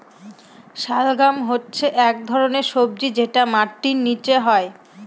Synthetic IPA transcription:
ʃalɡamɦotːɕʰeʔɛk̚d̪ʱɔɾoneɾʃob̚d͡ʑid͡ʑeʈamaɾʈːinːit͡ɕeɦɔe

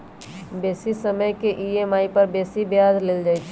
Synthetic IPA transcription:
beːsisəməjkeʔiemaːipəɾbeːsibjad͡ʒleld͡ʒaːt͡ʃʰ

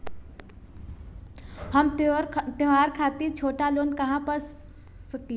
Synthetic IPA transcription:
hɐmt̪eɦaːɾkʰaːt̪it͡ʃʰoːʈaloːnkɐɦãpɐɾ | sɐki

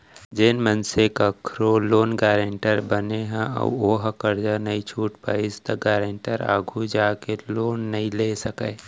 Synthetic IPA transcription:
d͡ʒeːnmənsekakʰɾoloːnɡaːɾeɳʈəɾbəneɦɛ̃a̰oːɦakəɾd͡ʒanɐĩt͡ʃʰuːʈpaːist̪ɐɡaːɾeɳʈəɾa̰ːɡʱud͡ʒaːkeloːnːɐɦĩleːsəkeː

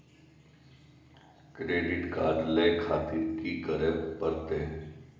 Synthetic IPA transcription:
kɾeːɖɪʈkaːɾɖleːkʰaːt̪ɪɾkikɐɾəɾpəɾt̪e

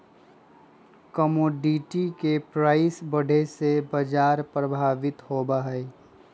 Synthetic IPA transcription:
kəmoːɖiʈikepɾaːɪsbəɽ̤ʱesebəd͡ʒaːɾpɾəbʱaːʋɪt̪ɦoːbaɦɛ

